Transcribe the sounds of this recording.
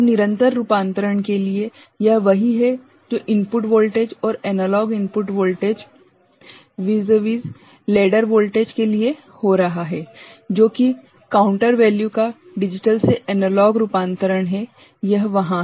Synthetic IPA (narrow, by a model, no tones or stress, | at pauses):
nɪɾə̃nt̪əɾːupãːnt̪əɾəɳkelie | jɐɦʋɐɦiɦɛ | d͡ʒoːʔɪ̃mpʊʈʋoːlʈeːd͡ʒɔːɾɛːnəlɔːɡɪ̃mpʊʈʋoːlʈeːd͡ʒ | ʋiːzəʋiːz | leːɖəɾʋoːlʈeːd͡ʒkelie | hoɾɐɦaɦɛːd͡ʒoːki | kaːʊ̃ɳʈəɾʋɛːljuka | ɖɪd͡ʒɪʈəlseɛːnəlɔːɡɾuːpãːnt̪əɾəɽ̃ɦɛ | jɐɦʋɐɦã